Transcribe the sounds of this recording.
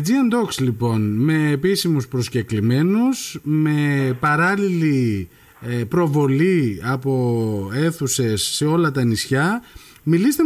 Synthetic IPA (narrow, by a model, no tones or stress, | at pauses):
d͡ziɐnd̪okslipo̞nme̞ːpisimuspɾo̞sce̞klime̞nusme̞pɐɾɐlili | pɾo̞vo̞liɐpo̞e̞θuse̞sːe̞o̞lɐt̪ɐnisçɐ | milist̪e